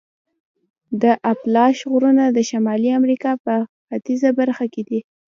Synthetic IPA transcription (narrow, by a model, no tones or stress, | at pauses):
d̪əʔaplɑʃɣuɾunad̪əʃamɑliamɾikɑpəxat̪izabaɾxaked̪i